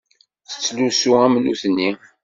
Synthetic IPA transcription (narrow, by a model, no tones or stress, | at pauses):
θə̥t͡sːlusuæmənṵθənːi